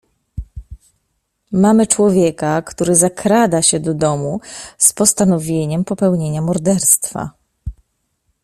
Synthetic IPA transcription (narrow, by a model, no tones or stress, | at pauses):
mamɘt͡ʂwɔvʲjekakt̪uɾɘzakɾad̪aɕɛd̪ɔd̪ɔmuspɔst̪anɔvʲjeɲɛmpɔpɛwɲeɲamɔɾd̪ɛɾst̪fa̰